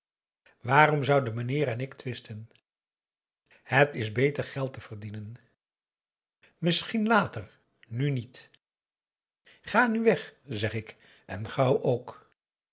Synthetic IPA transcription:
ʋaːɾɔmzʌwdəmənɪːɾɛnɪktʋɪstən | ɦətɪzbejtəɹχɛlˠtəvəɹdinən | mɪsχinlaːtər | nynit | χaːnyʋɛχzɛχɪk | ʔɛnχɑwʔowk

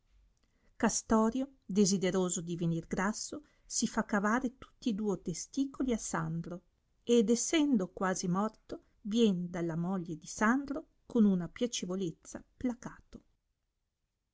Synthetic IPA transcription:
kast̪ɔːɾjod̪ezid̪eɾoːzod̪ivenirɡɾasːo | sifakːavaːɾet̪u̥t̪ːiːd̪uːot̪est̪iːkoliasand̪ɾo | ed̪esːɛnd̪okwaːzimɔrt̪o | vjɛnd̪alːamɔʎːed̪isand̪ɾo | konunapjat͡ʃevolet̪sːa̰plakaːt̪o̥

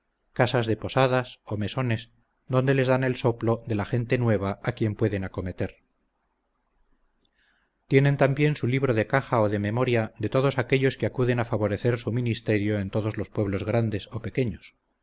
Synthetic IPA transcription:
kasazðe̞po̞saðaso̞me̞so̞ne̞s | d̪o̞nd̪e̞le̞zðane̞lso̞plo̞ðe̞laxe̞nt̪e̞nwe̞β̞aakje̞mpwe̞ðe̞nako̞me̞t̪e̞ɾ | t̪je̞nẽ̞nt̪ambje̞nsuliβ̞ɾoðe̞kaxaoðe̞me̞mo̞ɾjaðe̞t̪o̞ðo̞sakeʎo̞skeakuðe̞nafaβo̞ɾe̞θe̞ɾsuminist̪e̞ɾjo̞e̞nt̪o̞ðo̞zlo̞spwe̞βlo̞zɣɾand̪e̞so̞pe̞ke̞ɲos

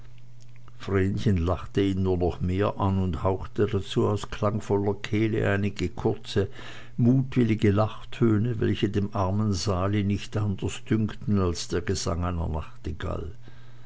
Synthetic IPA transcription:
fʁeːnçənlaχtəiːnnːuːɐnɔχmeːɐʔanʊnthaʊxtədat͡suːaʊskl̥aŋfɔlɐkʰɛːlə̰ʔaɪnɪɡəkʰʊɐt͡sə | muːtv̥ɪlɪɡəlaχtʰøːnəvɛ̰lçədeːmʔaɐmənzaːlinɪçtʔand̥ɐsd̥ʏŋktn̩alsd̥eːɐɡəza̰ŋaɪnɐ̰naχtɪɡa̰l

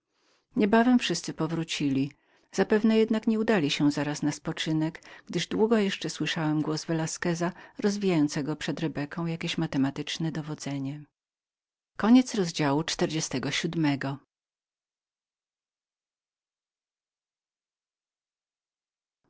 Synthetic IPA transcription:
ɲɛbavɛmfʂɘst̪sɘpɔvɾut͡ɕilʲi | z̥apɛvnɛjɛd̪nakɲɛud̪alʲiɕɛzaɾasnaspɔt͡ʂɘnɛɡɡ̥d̪ɘʐd̪wuɡɔjɛʂt͡ʂɛswɘʂawɛmɡwɔzvɛlaskɛzaɾɔzvʲijajɔnt̪sɛɡɔpʂɛd̪ɾɛbɛkʰɔ̃w̃jakʲeɕmat̪ɛmat̪ɘt͡ʂnɛd̪ɔvɔd̪zɛɲɛ | kɔɲɛt̪sɾɔzd͡ʑawut͡ʂt̪ɛɾd͡ʑɛst̪ɛɡɔɕud̪mɛɡɔ

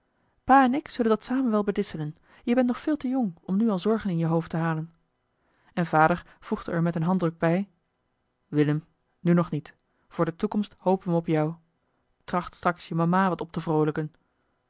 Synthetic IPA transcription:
paːɛnɪksɵləndɑtsaːmənʋɛlˠbədɪsələn | jəbɛntnɔχfɪːlˠtəjɔŋɔmnyɑlˠzɔɹχənɪnjəɦowftəɦaːlən | ɛnvaːdəɹ | v̥uχdəɛɹmɛtənɦɑndrɵɡ̚bɛj | ʋɪləm | nynɔχnit | v̥ʊːɹdətukɔmsthowpənʋəɔpjɑw | trɑχtstrɑksjəmamaːʋɑtɔp̚təvrowləkən

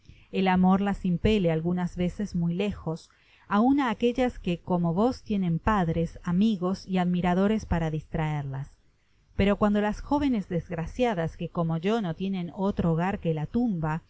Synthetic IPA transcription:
elamo̞ɾlasimpelealɣunazβe̞se̞zmujle̞xo̞s | aunaːke̞ʎaskeko̞mo̞βo̞st̪je̞nẽ̞mpaðɾe̞samiɣo̞siaðmiɾaðo̞ɾe̞spaɾaðist̪ɾaeɾlas | pe̞ɾo̞kwand̪o̞lasxo̞βe̞nezðezɣɾasjaðaske̞ko̞mo̞ʒo̞no̞t̪je̞nẽ̞no̞t̪ɾoːɣaɾkelat̪umba

